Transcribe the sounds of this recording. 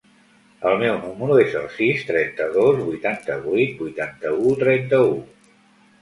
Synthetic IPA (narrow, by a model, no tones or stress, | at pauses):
əlˠmɛwnuməɾuezə̰lˠsist̪ɾɛnt̪əðozβujt̪ant̪əβujt̪̚bujt̪ant̪əut̪ɾɛnt̪əu